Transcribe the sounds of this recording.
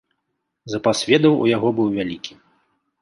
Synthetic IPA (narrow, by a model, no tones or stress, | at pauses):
zɐpasʲvʲɛd̪ɐwṵjaɣɔbɨwvʲalʲikʲʰi̥